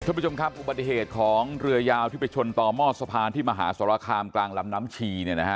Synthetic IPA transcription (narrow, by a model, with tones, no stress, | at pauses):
kʰa˥˩pɾt͡ɕʰo˧mkʰa˦˥p̚ʔu˨˩ba˨˩t̪ːi˨˩heː˨˩t̪̚kʰɔː˩˦ŋɾɯ˧ɐjaː˧wt̪ʰi˥˩pe˧jt͡ɕʰo˧nt̪ɔː˨˧mɔː˥˩t̪̚sa˧pʰaː˧nt̪ʰiː˥˩maː˧ɦa̰ː˩˦saː˨˩˦ɾa˧kʰaː˧mklaː˧ŋla˦˥mnaː˦˥mt͡ɕʰiː˧ni˥˩na˦˥kʰa˦˥